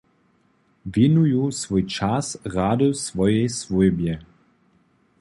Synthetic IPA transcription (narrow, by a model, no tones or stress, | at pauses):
vinujusvujt͡ʃasɣadəsvɔjɛjsvujbjɛ